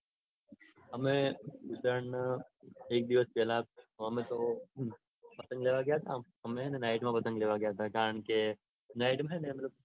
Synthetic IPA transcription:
ɦɐmẽʊt̪əɾɳ | eːk̚d̪iʋəspɛlaoɦɐmẽt̪o | pɐt̪ə̃ŋɡleːʋaɡjat̪ʰaɦɐmẽɦɛnenaːɪʈmãbɐt̪ə̃ŋɡleːʋaɡɐjat̪ʰakaːɾəɳ̃ke | naːɪʈmɦɛ̃nẽmel

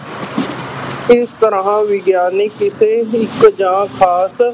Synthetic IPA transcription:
ɪst̪əɾããːʋɪɡjaːnekɪseːɪkd͡ʒãːkʰaːs

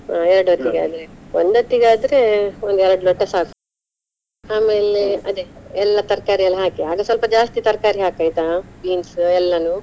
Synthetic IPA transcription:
ɛɾɐɽuʋɐt̪ːiɡa̰ːd̪ɐɾeond̪ɐt̪ːiɡaːd̪ɐɾe̞ond̪ɛɾɐɽulɔʈːɐsɦaːku | aːme̞ːleɐd̪eɛlːɐt̪ɐɾkaːɾiɐlːɐɦaːkiaːɡɐsʋɐlpɐd͡ʒaːst̪it̪ɐɾkaːɾiɦaːkaːjt̪abiːnsɛlːɐnu

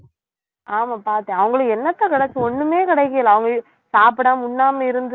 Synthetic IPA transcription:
ʔaːmaːpaːɾt̪ẽːɐʋɐŋɡɐɭɯkɛnːɐt̪ːãːkɪɽɐt͡ʃːɯ̃ɔnːɯmeːkɪɽɐɪkːɪjɐlãːɐʋɐŋɡɐ | saːpɪɽãːʊnːaːmɐɪɾɯnd̪ɯ

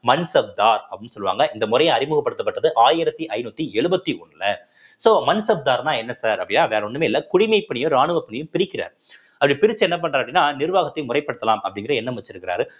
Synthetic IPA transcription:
mɐnsɐp̚d̪aːɾɐpːɪnːɯsɔlːɯʋa̰ːŋɡɐʔɪnd̪ɐmʊɾɐjɐ̃ɐɾɪmʊɣɐpːɐɽɯt̪ːɐpːɐʈːɐðɯʔaːjɪɾɐt̪ːiʔɐɪnuːt̪ːiɛɻɯbɐt̪ːiɔɳːlɐ | soːmɐnsɐp̚d̪aːɾnãːɛnːɐsaːɾɐpːɽɪnːaːʋeːɾɐɔɳɖɯmeːɪlːɐkʊɽɪmɐɪpːɐɳɪjʊ̃ɾaːɳɯʋɐpːɐɳɪjʊ̃pɪɾɪkːɪɾa̰ːɾ | ɐpːɐɽipɪɾɪt͡ʃːɯɛnːɐp̬ɐɳːɾaɾɐpːɐɽɪnːaːnɪɾɯʋaːɣɐt̪ːɐɪmʊrɐɪpːɐɽɯt̪ːɐlaːmɐpːɐɽɪŋɡɪɾɐɛnːɐmʋɐt͡ʃːɪɾɯkːɪɾa̰ːɾɯ

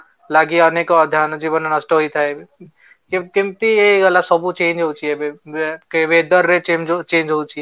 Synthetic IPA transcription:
laːɡiaːnekod̪ʱjaːnd͡ʒiːbənanɐsʈoɦoit̪ʰae | kɪkɪmt̪ijeɡɐlasɔbut͡ʃẽːnd͡ʒɦot͡ʃiɛbekʋeːd̪əɾːet͡ʃemd͡ʒt͡ʃẽːnd͡ʒɦot͡ʃie

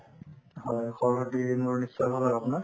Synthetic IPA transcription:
hɔjxɔɹɦɔtimuɹnisːɔjbʱalaapunaɹ

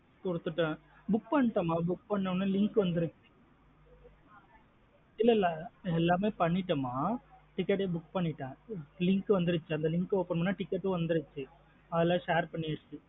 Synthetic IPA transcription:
kɔɽɯt̪ːɯʈːɐ̃ | bʊkːpɐɳːɪʈːɐmaːbʊkːpɐɳːɐnãːlɪŋkɯʋɐnd̪ɯɾɯt͡ʃːɯ̥ | ɪlːɐlːɐɛlːaːmeːpɐɳːɪʈːɐmaːʈɪkːɛʈːeːbʊkːpɐɳːɪʈːãːlɪŋkɯʋɐnd̪ɯɾɯt͡ʃːɯɐnd̪ɐlɪŋkɯoːpːɐɳɐmnːaːʈɪkːɛʈːõʋɐnd̪ɯɾɯt͡ʃːɯ | ɐðɐlãːʂaːɾpɐɳːiɐɽɯt͡ʃːɯ

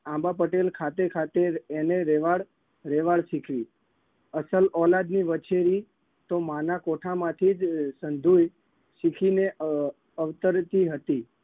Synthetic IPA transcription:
ãmbap̬əʈelkʰat̪ekʰat̪eːneɾɛʋaɭ | ɾeʋaɭʃikʰʋi | əsəlɔlad̪niʋət͡ʃeɾi | t̪omanakoʈʰamãt̪ʰid͡ʒsənd̪ʱuj | ʃikʰine | əʋt̪əɾt̪iɦət̪i

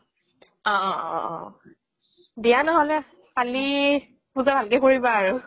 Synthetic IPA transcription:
ɔ̰̃ | dijanɔɦɔlɛ | pali | puzabʱalkɛkoɹibaːɹu

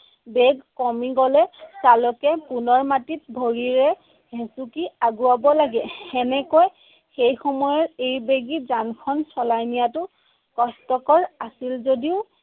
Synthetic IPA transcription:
bɛɡkɔmiɡɔlɛtalɔkɛpunɔɹmatit̚bʱoɹiɹɛ | ɦẽsukiaɡuabɔlaɡɛɛnɛkoj | xejxɔmɔjɔɹejbeɡizankʰɔnsɔlajnijatʊ | kɔstɔkɔɹasilzodiʊ

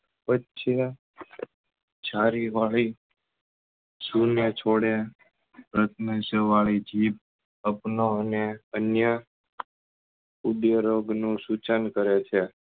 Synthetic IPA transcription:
pətːʃʰe | t͡ʃʰaɾiʋaɭi | sunet͡ʃʰoɽe | pɾət̪nəsəʋaɭid͡ʒip̚ | əpnoəneənjə | ud̪jəɾoɡnũsut͡ʃənkəɾet͡ʃʰe

